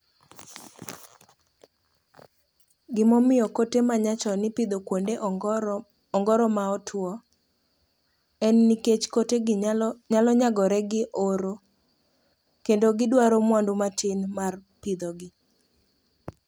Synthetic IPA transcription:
ɡɪmɔmɪjɔkotemaɲat͡ʃɔnɪpid̪okwonde | ɔŋɡɔɾɔmaɔtʰwɔ | ɛnːiket͡ʃkoteɲalɔɲaɡɔɾɛɡɪʔoɾo | kendoɡɪdwaɾomwandomatɪnmarpid̪oɡɪ

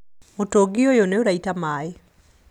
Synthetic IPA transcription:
otoɡɪojoneoɾaitamaɪ

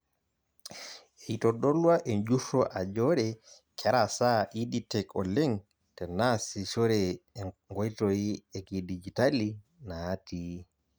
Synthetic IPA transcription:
eitɔɗɔlwaʔɛɲd͡ʒuʃɔʔad͡ʒɔɾɛ | kʰɛɾasaʔiditɛkɔlɛŋ | tɛnasiʃɔɾɛŋɡɔjtɔjiɛkidid͡ʒitali | nati

